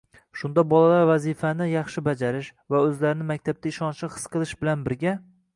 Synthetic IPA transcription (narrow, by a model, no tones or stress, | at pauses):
ʃʊnd̪abɒlˠalaɾvazifanɪjɑχʃɪbad͡ʒaɾɪʃ | vaɵzlaɾɪnɪmakʲt̪ʰab̚t̪ʰaɪʃɒnʃɪχɨ̥sqɨlˠɪʃbɪlanbɪɾɡʲa